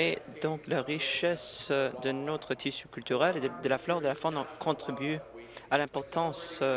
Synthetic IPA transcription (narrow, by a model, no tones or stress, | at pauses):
ed̪ɔ̃klaʁiʃɛsd̪ənot̪χət̪ʰisykʲylt̪yʁɛleəd̪əlaflɔʁd̪əlafɔnɑ̃kʰɔ̃t̪χibyalɛ̃pɔʁt̪ɑ̃s